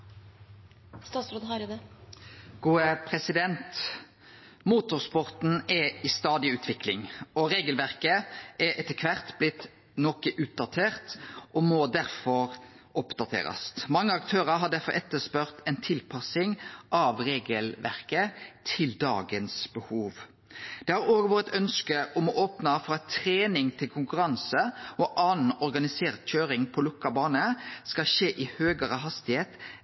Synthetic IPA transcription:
st̪ɑːt̪sɾoːd̪hɑɾd̪ɛ | ɡ̥uːəpʰʁɛsɪd̪ɛnt̪ | muːt̪ʊʁspɔʁt̪n̩ɛɪst̪ɑːd̪ɪʉːt̪ʰʋɪklɪŋɔɾeːɡəlʋæʁkəʔɛɾʔɛt̪əkʰʋæʁt̪blɪt̪ | nɔkəʔʉːt̪̚d̪ɑt̪ʰeːʁt̪ʔɔmɔd̪æɾfɔɾ | ɔpd̪ɑt̪ʰḛːɾɑ̰st̪mɑŋːəɑkt̪ʰøːɾəɾɦɑɖ̪æɾfɔ̰ɾʔɛt̪ːəspœʁt̪ɛɪnt̪ʰɪlpʰɑsɪŋʔɑʋɾeːɡəlʋæ̰ʁkət̪ʰɪld̪ɑ̰ːɡənsbəhuːʋ | d̪̥ɛhɑɾoːɡʋoːʁət̪œnskəʔɔmɔʔoːpnɑfɔɾɑt̪ʰɾeːnɪŋt̪ʰɪlkʰʊŋkʉɾɑnsəʔɔʔɑːnn̩ɔɾɡɑnɪseːʁt̪c͡çøːɾɪŋpʰɔlʊkːɑbɑːnəskɑʃeːʔɪhøːɡəɾəɦɑst̪ɪheːt̪

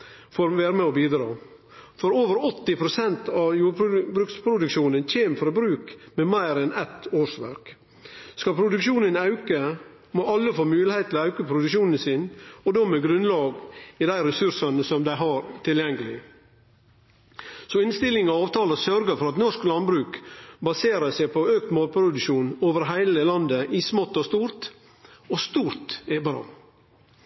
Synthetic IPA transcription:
foɾʋæːɾəmɛɔbiːd̪ɾɑ̰ː | fɔɾoːʋəɾɔt̪ːɪpʰɾʊsɛnt̪ʰɑʋjuːɖbbɾʉːkspʰɾʊd̪ʉkʃuːnənc͡çeːmfɾɑbɾʉːkmɛmæɪɾɛnɛt̪oːʂʋæ̰ɾk | skɑpʰɾʊd̪ʉkʃuːnənɑʉkə | moʔɑlːəfoːmʉːlɪhɛɪt̪ʰlɑʉkəpʰɾʊd̪ʉkʃuːnən̩sinɔd̪ɔmɛɡɾʉnlɑːɡid̪æɪɾɛsʉɾʂɑnəsɔmd̪æɪɦɑɾt̪ʰɪljɛŋɡəlɪ | sɔɪnst̪ɪlɪŋɔɑːʋt̪ʰɑːləsœɾɡəfɔɾɑt̪nɔʂklɑnbɾʉːkbɑseːɾəsæɪpʰɔøːk̚t̪moːlpʰɾʊd̪ʉʃuːnoːʋəɾɦæɪləlɑnd̪əʔismɔt̪ːɔst̪uːɾt̪ | ost̪uːɾt̪ɛbɑɾɑ̰

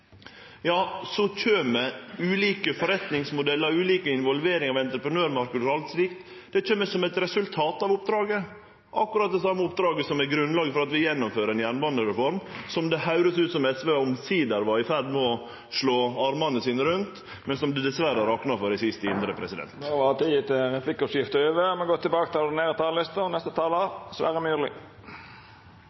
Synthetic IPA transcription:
jɑːsɔc͡çʰøːmɛʉːliːkəfɔɾɛt̪nɪŋsmʊd̪ɛlːəɾʉːliːkəɪnʋɔlʋeːɾɪŋɑʋɛnt̪ɾəpɾənøːɾmɑɾkəd̪əɾɑlt̪sliːkt̪ | d̪̥ɛt͡ʃʰøːmːəsɔmɛt̪ɾɛsʉlt̪ʰɑːt̪ɑʋʊp̚d̪ɾɑːɡə | ʔɑkːʉɾɑt̪̚d̪ɛsɑmːəʊp̚d̪ɾɑːɡəsɔmæɡɾʉnlɑːɡəfɔɾɑt̪ʋɪjɛnːʊmføːɾəɛnjænʋɑnəɾɛfɔɾmsɔmd̪ɛhɑʉɾəsʉːt̪sɔmɛsʋeɔmsiːd̪æɾʋɑɪfæɾd̪mɔ | ʂɭoːɑɾmɑnəsiːnəɾʉnt̪ | mɛnsɔmd̪ʉd̪ɛsʋæɾəɾɑknɑfɔɾɪsɪst̪əɪnd̪ɾəpʰɾɛsɪd̪ɛ̰nt̪ʋɑt̪ʰiːət̪ɪɾɛplɪkːɔsjɪft̪əøːʋəmɛɡɔt̪ʰːɪbɑːkət̪ɪlneːɾət̪ʰɑːllɪst̪ənɛst̪ət̪ʰɑːləsʋæ̰ːɾəmyːlɪ̰

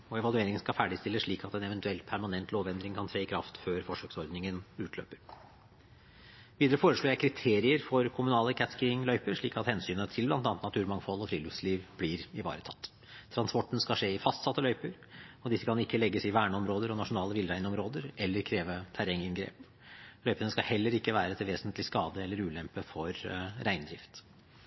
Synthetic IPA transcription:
ɔɛʋɑlˠʉeːɾɪŋənskɑfæːɖɪst̪ɪlːəsʂɭiːkɑt̪ɛnɛʋɛnt̪ʉɛlt̪pʰæɾmɑnɛnt̪loːʋɛnd̪ɾɪŋkʰɑnt̪ʰɾeːɪkʰɾɑft̪føːɾfɔʂøːksɔɾd̪nɪŋənʉːt̪ʰlø̰ːpəɾ | ʋiːd̪əɾəfoːɾəʂɭuːjæɪkʰɾɪt̪ʰeːɾɪəɾfɔɾkʰʊmʉnɑːləkʰæt̪skɾɪŋlœʏpəɾʂɭiːkɑt̪hɛnsyːnət̪ʰɪlblɑnt̪ɑnt̪nɑt̪ʰʉːɾmɑŋfɔlːˠɔfɾḭːlʉfsliːʋb̥lɪɾɪʋɑ̰ːɾət̪ʰɑt̪ːʰ | ɾɑnspɔʈːən̩skɑʂeːɪfɑst̪sɑt̪ːəlœʏpəɾ | ɔd̪ɪsːəkʰɑnɪkːəlɛɡːəsɪʋæːɳəɔmɾoːd̪əɾɔnɑʂʊnɑːləʋɪlɾæɪnəɔmɾoːd̪əɾɛlːəɾkʰɾeːʋət̪ʰæɾɛŋɪnɡɾḛːp | lœʏpənəskɑhɛlːəɾɪkːəʋæːɾət̪ʰɪlʋeːsənt̪lɪskɑːd̪əɛlːəɾʉːlɛmpəfɔɾɾæɪnd̪ɾɪft̪

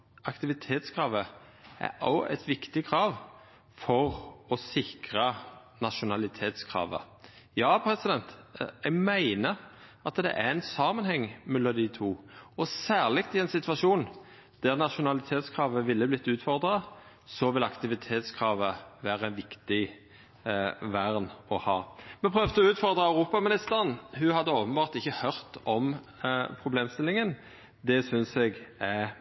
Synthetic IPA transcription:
ɑkt̪ɪʋɪt̪ʰeːt̪skʰʁɑːʋə | æ̰ɔɛ̰t̪ʋɪkt̪ɪkʰɾɑːʋ | fɔʁɔsɪkʁɑ | nɑʃʊnɑlɪt̪ʰeːt̪skʰʁɑ̰ːʋə̰ | jɑːpʰɾɛsɪd̪ɛnt̪ɛɡmæɪnəɾɑt̪d̪ɛ̰ʔæɛnsɑːmənhɛŋːmɛlːɔd̪ɪt̪ʰuːɔsæːʁlɪkt̪ɪɛɪnsɪt̪ʋɑʃuːn | d̪̥æʁnɑʃʊnɑlɪt̪ʰeːt̪skʰʁɑːʋəʋɪlːəblɪt̪ːʉːt̪fɔʁd̪ʁɑ | sɔʋɪlɑkt̪ɪʋɪt̪ʰeːt̪skʰʁɑːʋəʋæːʁəɛnʋɪkt̪ɪ | ʋæʁnɔhɑːmɛnpʰʁøːʋt̪əɔʉːt̪fɔʁd̪ʁəæʉʁuːpɑmɪnɪst̪əʁənhʉhɑd̪ːəoːpənbɑːʁt̪ɪçːəhœɾt̪ɔm | pʰʁʊbleːmst̪ɪlːɪŋən | d̪ɛsʏnsɛɡæ

